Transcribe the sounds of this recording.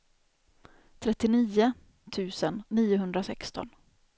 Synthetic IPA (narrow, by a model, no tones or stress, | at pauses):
t̪ʰɾɛt̪ːɪniːʊ | t̪ʰʉ̟ːsənːiːʊɦɵnd̪ɾasɛkst̪ɔ̰n